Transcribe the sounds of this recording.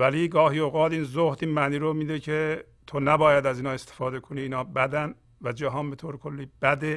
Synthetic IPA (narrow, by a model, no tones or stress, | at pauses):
væliɡɒːɦiːoːɣɒːt̪iːnzoht̪iːnmæːniːɾomiːd̪ecʰe | t̪ʰonæbɒːjæd̪æziːnɑːest̪ʰefɒːd̪e̞kʰoniːnɒːbæd̪æn | væd͡ʒæɦɒːnbe̞t̪ʰoːɾekʰolːiːb̥æd̪e